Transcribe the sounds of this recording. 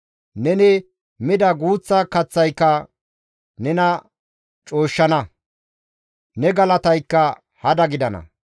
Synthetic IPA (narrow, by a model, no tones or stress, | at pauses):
nɛnɪ | mɪd̪ɐɡuːt͡sːɐkɐt͡sːɐjkːɐ | nɛnɐ | t͡ʃʼo̞ːʃːɐnɐ | nɛɡɐlɐt̪ɐjkːɐ | hɐd̪ɐɡɪd̪ɐnɐ̰